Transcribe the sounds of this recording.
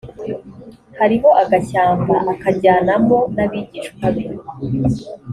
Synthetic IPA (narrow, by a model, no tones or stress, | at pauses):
haɾiɦo̞ʔaɡaçaːmbaʔakaɟaːnamo̞naβiɟiːʃkwaβiɾ